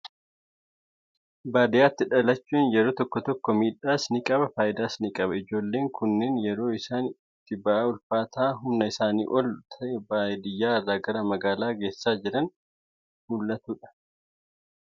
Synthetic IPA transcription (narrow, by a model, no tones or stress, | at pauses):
baːd̪ɪjaːt̪ːɪᶑɐlɐt͡ʃːuːnjɛɾo̞ːt̪ɔkːɔt̪ɔkːɔmiːᶑaːsnikʼɐbɐfaːʔɪd̪aːsnikʼɐbɐɪd͡ʒo̞ːlːe̞ːŋkʊnːeːnjɛɾo̞ːɪsaːn | t̪ːɪbaaːʊlfaːt̪ʰaːɦʊmnɐɪsaːnḭːʔɔlt̪ʰɐɛbaːjd̪ɪjːaːɐrːaːɡɐɾɐmɐɡaːlaːɡe̞ːsːaːd͡ʒɪɾɐn | huːlːɐt̪uːᶑɐ̥